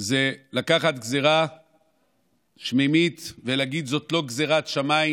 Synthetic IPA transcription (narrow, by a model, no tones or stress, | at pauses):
zelakaχat̪ɡzeʁa | ʃmemit̪velaːɡid̪zo̞t̪lo̞ɡzeʁat̪ʃamai